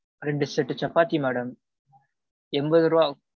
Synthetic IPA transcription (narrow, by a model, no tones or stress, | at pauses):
ɾɛɳɖɯsɛʈːɯt͡ʃɐpːaːt̪imɛːɽɐm | ɛmbɐðɯɾʋaː